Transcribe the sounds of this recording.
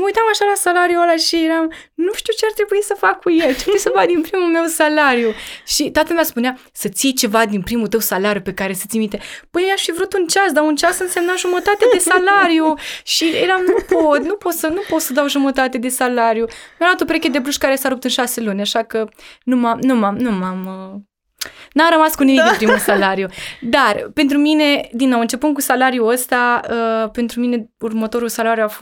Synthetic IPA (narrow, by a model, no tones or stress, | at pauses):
məujt̪amaʃalasalaɾjualaʃijeɾamnuʃt̪iuwt͡ʃeart̪ɾe̞buisəfakʰːujelt̪ɾebuisəvad̪inpɾimume̞wsalaɾjuʃit̪at̪əlmeaspunea | sət̪siejt͡ʃe̞vad̪inpɾimut̪əwsalaɾjupe̞kaɾe̞sət̪sʲimit̪epɨneeaʃfivɾut̪unt͡ʃasd̪aunt͡ʃasɨnse̞mnaʒumət̪at̪ed̪e̞salaɾijuʃieɾamnup̪ot̪nupot̪sənupo̞t̪səd̪awʒumət̪at̪e̞d̪e̞salaɾjumjamlat̪opɾekʲed̪e̞bluʃkaɾe̞saɾupt̪ɨnʃase̞lunʲaʃakənumamnumamnumamə | naɾəmaskunimik̪ɨmpɾimusalaɾjud̪arpe̞nt̪ɾumine̞d̪inːowɨnt͡ʃe̞pɨn̚kusalaɾjuəst̪aəpe̞nt̪ɾumine̞urmət̪o̞ɾulsalaɾjuafo